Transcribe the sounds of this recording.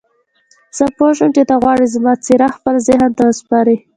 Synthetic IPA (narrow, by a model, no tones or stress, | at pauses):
z̥əpoʃəmt͡ʃet̪aɣwɑɽizmɑt͡siɾaxpəlazɪɦənt̪awəspɑɾi